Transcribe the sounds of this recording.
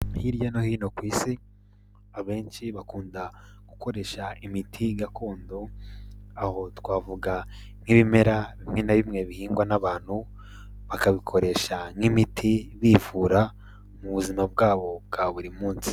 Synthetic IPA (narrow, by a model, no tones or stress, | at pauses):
hiɾjano̞hiːno̞kwiːsi | aβe̞ːnʃiβakuːnda | ɡ̥uko̞ɾe̞ʃaimitʰiɡakʰo̞ːndo̞ | aho̞twaːvuɡa | ŋ̥iβime̞ɾaβimŋenaβimŋe̞βihiːŋɡwanaβaːn̥hu | βakaβikʰo̞ɾe̞ʃaŋimitʰiβivuɾa | muβuzimab̚ɡaːβo̞b̚ɡaβuɾimuːnsi̥